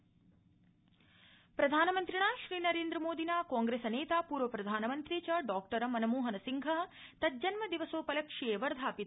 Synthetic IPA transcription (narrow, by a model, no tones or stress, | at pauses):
pɾɐd̪ʱaːnɐmɐnt̪ɾiɳaːʃɾiːnɐɾeːnd̪ɾɐmoːd̪ʱinaːkaːŋɡɾeːsɐneːt̪aːpuːɾʋɐpɾɐd̪ʱaːnɐmɐnt̪ɾiːt͡ʃɐɖaːk̚ʈɐɾɐmɐnɐmoːɦɐnɐsiŋɡʱɐt̪ɐt̪̚d͡ʒɐnmɐd̪iʋɐsoːpɐlɐkʂieːʋɐɾd̪ʱaːpit̪